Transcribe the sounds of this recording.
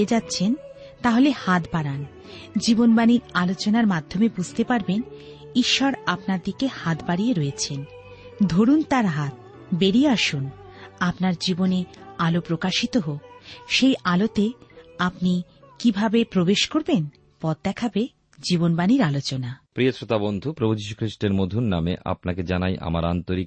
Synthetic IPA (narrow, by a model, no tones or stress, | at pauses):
ed͡ʑat̪ːɕʰen | t̪aɦolehat̪baɾan | d͡ʑibonbaniɾalot͡ɕonaɾmad̪ʱːomebud͡ʑʱt̪epaɾben | iʃːɔɾapnaɾd̪ikehat̪baɾijeɾɔet͡ɕʰen | d̪ʱoɾunt̪aɾɦat̪̚ | beɾieaʃun | apnaɾd͡ʑibonealopɾokaʃit̪oɦoʃejʔalot̪eapni | kibʱabepɾobeʃkoɾben | pɔd̪̚d̪ɛkʰabe | d͡ʑibonbaniɾalot͡ɕonapɾiosɾot̪abond̪ʱupɾobud͡ʑiʃu̥kʰɾiʃʈeɾmod̪ʱunnːamḛʔa̰pnaked͡ʑanajʔa̰ma̰ɾant̪oɾik